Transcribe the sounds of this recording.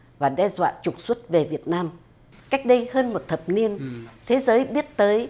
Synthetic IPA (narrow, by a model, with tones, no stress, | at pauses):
vaː˨˩ɗɛ˧zwa̰ː˧˨t͡ɕʊ˨˩k͡p̚swə˦˥t̚ve˨˩vi˨˩ət̚naː˧m | ka˦˥jk̟̚ɗə˧jhəː˧nmo˨˩t̚t̪ʰə˨˩p̚ni˧ənt̪ʰe˨˦zəː˨˦jɓi˦˥ət̚t̪əː˨˦j